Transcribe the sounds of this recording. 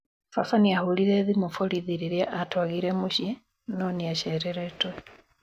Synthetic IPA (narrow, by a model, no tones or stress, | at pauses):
fafaniahuliɾeðimufoliðiɾiɾjaʔatwaɣiɾemuʃje | noniaʃeɾeɾetwe